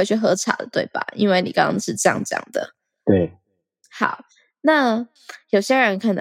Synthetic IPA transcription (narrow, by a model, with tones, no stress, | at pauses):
t͡ɕʰɥy˥˩xɤ˧˦ʈ͡ʂʰa̰˨˩d̪ə̰˦t̪wḛ˥˩ɪba̰˨˩ʔḭ˥nwe˥˩ɪni˨˩kɑ˥˦ŋɑ̰˥ŋʂɻ̩˥˧ʈ͡ʂɤ˥˧jɑ̰˥˧ŋʈ͡ʂɤ˥˧jɑ̰˥˩ŋd̪ə̰˩ | t̪we˥˩ɪ | hɑ˨˩ʊ | na˥˩ | jo˨˩ʊɕjɛ˥ɻə˧˦nkʰa˥˩n